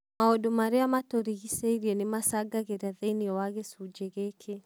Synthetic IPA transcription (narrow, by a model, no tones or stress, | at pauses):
maɔdumaɾeamatoɾiɣiseiɾiɛnemasaɡaɣeɾaðeniɔwaɣesud͡ʒɛɣekʰe